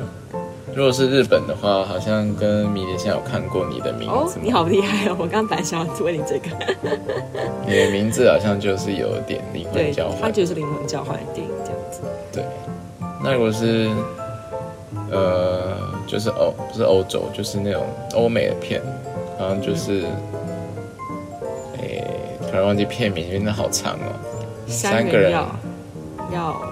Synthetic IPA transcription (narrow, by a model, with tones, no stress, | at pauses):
ɻu˧˥kwɔ˨˩ʂ̬ɻ̩˥˧ɻ̩˥˩pə˨˩nd̪ə˦xwa˥˩xɑ˨˩ʊɕjɑ˥˨ŋkə˦nmi˧˥li˨˥ɕja˥ŋjo̰˨˩kʰa˥˧nkwɔ˥˨nḭ˨˩d̪ə̰˦mʔḭ˧˦˥d͡zni˧˥xɑ˨ʊpu˧li˧˥xa˥˩ɪo˨˩wɔ˨˩kɑ˥ŋɑ˥ŋ˥pa˨˥nɕɑ˨˩ɑ˥˩t͡su˥we˥˩ni˨˩ʈ͡ʂɤ˥˩ɡə˩ | ni˨˩d̪ə˧˦mi˧˥ŋd͡z̩˨xɑ˨˩ʊɕjɑ˥˧ŋt͡ɕjo˥˧ʊʂɻ̩˥˩jo̰˨˩ʊḭ˥˩t̪jɛ̰˨˩nlḭ˧˥kwa˥˨˩t͡ɕjɑ̰˧ʊxwa˥˨˦t͡ɕo˥˧ʊʂ̬ɻ̩˥˩li˧˥ŋmə˧˥ŋt͡ɕjɑ˧ʊxwa˥˩ɪl̰t̪jḭ˥˧˩ḭ˧˩ŋt͡ɕj̰ŋd͡z̩˨˩d̪t̪wḛ˥˩ɪ | na̰˥˩ɻu˥kɔ˨˩ʂ̬ɻ̩˥˩ | ə˨t͡ɕjo˥˧ʊʂ̬ɻ̩˥˩ʔo˧ʊu˥ʂɻ̩˥˩ʔo˧˥ʊʈ͡ʂo̰˨˩ʊt͡ɕjo˥˧ʊʂɻ̩˥˧na˥˩ʈ͡ʂo̰˨˩ŋʔo˥ʊme˨˩ɪd̪ə̰˩pʰjɛ̰˥˩nxɑ˨˩ʊɕjɑ˥˧ŋt͡ɕjo˥˧ʊʂɻ̩˥˩ | e˥˩ɪt̪ʰwa˨˧˥wɑ˥˧t͡ɕi˥˧pʰjɛ˥˨nmi˧˥n˥na˥˩xɑ˨˩ʊʈ͡ʂʰɑ̰˧˥ŋlə̰˧ | ssa˥˦nɡə˨ɻə˧˦˥ | jɑ˥˧ʊ